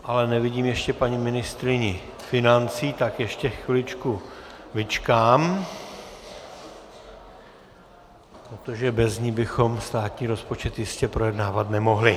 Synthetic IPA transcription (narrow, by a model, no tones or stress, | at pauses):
ʔalɛnɛvɪɟiːmjɛʃcɛpaɲɪmɪnɪst̪ɾɪɲɪ | fɪnant͡siːt̪akjɛʃcɛxvɪlɪt͡ʃkuvɪt͡ʃkaːm | pɾot̪o̞ʒɛbɛzɲiːbɪxo̞mst̪aːt̪ɲiːɾo̞spo̞t͡ʃɛt̪jɪscɛpɾo̞jɛdnaːvat̪nɛmo̞ɦlɪ